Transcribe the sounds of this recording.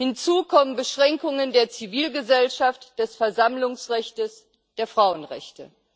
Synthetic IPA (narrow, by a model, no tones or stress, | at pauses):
hɪnt͡suːkʰɔmənbəʃʁ̥ɛŋkʊŋəndeːɐt͡siviːlɡəzɛlʃaftd̥ɛsfɛɐzamlʊŋsʁɛçtəs | d̥eːɐfʁ̥aʊənʁɛ̰çtə